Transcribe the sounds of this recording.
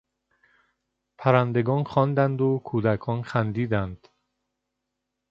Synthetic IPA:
pʰæɾænd̪e̞ɡɒːnxɒːnd̪ænd̪okʰuːd̪ækʰɒːnxænd̪iːd̪ænd̪̥

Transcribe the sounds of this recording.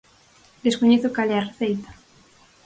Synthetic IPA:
d̪eskoɲeθokaleareθejt̪ḁ

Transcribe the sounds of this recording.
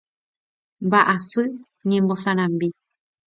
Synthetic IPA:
mbaʔasɨ | ɲẽmbosãɾ̃ãmbi

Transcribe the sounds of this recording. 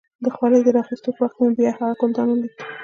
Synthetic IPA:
d̪əxwɑləjd̪əɾɑxist̪opwaxt̪mabjɑhaɣakold̪ɑnad̪i

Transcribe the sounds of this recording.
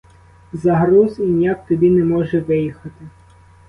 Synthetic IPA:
zɐɦɾuzinʲjakt̪ɔbʲinɛmɔʒɛʋɪjixɐt̪ɪ

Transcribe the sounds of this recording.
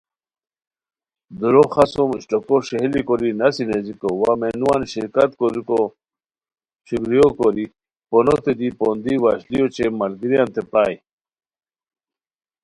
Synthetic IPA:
d̪uɾoxasomiɕʈokoɕeɦlikoɾinɐsinezikowamenuwanɕiɾkat̪koɾiko | ɕiɡɾijokoɾi | ponot̪ed̪ipond̪iwaɕlijot͡ɕemɐlɡiɾijant̪epaːj

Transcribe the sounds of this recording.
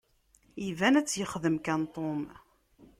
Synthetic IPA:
ivænæt͡sːjəχðəmkænt̪ˤom

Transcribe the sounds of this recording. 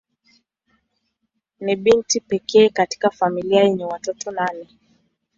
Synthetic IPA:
niɓintipɛkɛːkati̥kafamiliajɛɲɛwatɔtɔnanɛ

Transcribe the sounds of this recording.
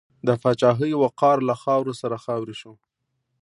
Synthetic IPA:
d̪əfɑt͡ʃɑɦəjwaqɑɾlaxɑwɾosaɾaxɑwɾiʃo

